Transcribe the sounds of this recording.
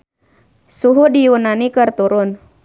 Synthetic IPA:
suɦudijunanikɨrt̪uɾʊn

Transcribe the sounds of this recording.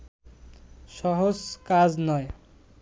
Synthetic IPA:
sʌɦod͡zkad͡znʌj

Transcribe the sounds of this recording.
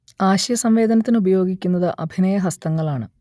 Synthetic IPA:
aːɕɐjɐsɐmʋe̞ːd̪ɐnɐt̪ːinubɐjo̞ːɡikʲːunːɐðɨʔɐbʱinɐjɐɦɐst̪ɐŋːɐɭaːɳɨ

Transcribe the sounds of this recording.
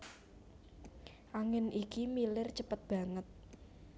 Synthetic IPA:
ʔaŋɪnʔikimilɪrt͡ʃəpət̪̚b̥ä̤ŋət̪̚

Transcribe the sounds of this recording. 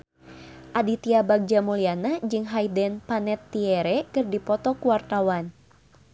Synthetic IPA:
ʔadit̪iabaɡ̚d͡ʒamulianad͡ʒɨŋɦaidɛnpanɛt̪ːiɛɾɛkɨrdipɔt̪ɔkuwart̪awan

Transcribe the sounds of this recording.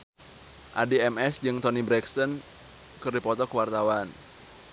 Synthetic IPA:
ʔa̰diɛmɛsd͡ʒɨŋt̪ɔnibɾɛksən | kɨrdipɔt̪ɔkəwart̪awan

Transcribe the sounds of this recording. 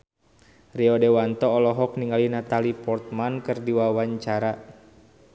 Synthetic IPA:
riɔdɛwant̪ɔːlɔɦɔk̚niŋɡalinat̪alipɔrt̪̚mankɨrdiwawaɲt͡ʃaɾa

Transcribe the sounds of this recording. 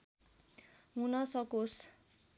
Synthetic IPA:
munʌsʌkos

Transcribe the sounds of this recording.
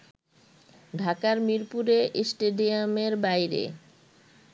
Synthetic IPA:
ɖʱakaɾmiɾpuɾeʔsʈeɖiameɾbajɾḛ

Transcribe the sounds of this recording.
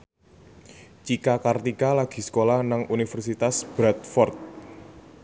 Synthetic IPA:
t͡ʃikakart̪ikalaɡ̥i̤sə̥kolanaŋʔunifərsit̪asb̥ɾat̪̚fɔrt̪̚

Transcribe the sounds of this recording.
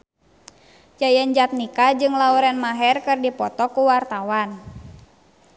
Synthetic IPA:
t͡ʃajəɲd͡ʒat̪̚nikad͡ʒɨŋlauɾɛnmaɦɛrkɨrdipɔt̪ɔkuwart̪awan

